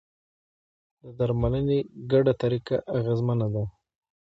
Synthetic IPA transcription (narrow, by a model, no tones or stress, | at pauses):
d̪əd̪aɾmaləneɡaɖat̪aɾika̰ʔːɣezmanad̪a